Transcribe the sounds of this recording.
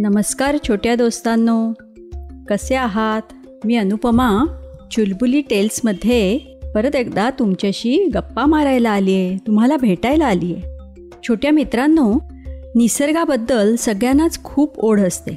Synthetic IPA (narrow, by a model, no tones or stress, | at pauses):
nəməskaɾt͡ɕʰoʈjad̪ost̪anːo | kəseaɦat̪ | miːənupəmat͡ɕulbuliːʈelsməd̪ʱːje | pəɾət̪ekd̪at̪umt͡ɕaɕiːɡəpːamaɾajlaːlijet̪um̤alabʱeʈajlaːliːje | t͡ɕʰoʈjamit̪ɾanːo | nisəɾɡabəd̪ːəlsəɡɭjanat͡skʰuːpoɽ̤əst̪ḛ